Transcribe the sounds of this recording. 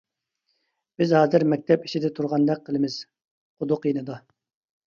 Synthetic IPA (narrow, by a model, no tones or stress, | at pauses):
b̥ɪzhɑːzɪɾmɛk̚ʲt̪ʰɛpi̥t͡ʃʰid̪ɛt̪ʰuɾʁɑnd̪ɛq̚qʰːəlˠɨmɪz̥ | χʊd̪ʊqjenɨd̪ɑ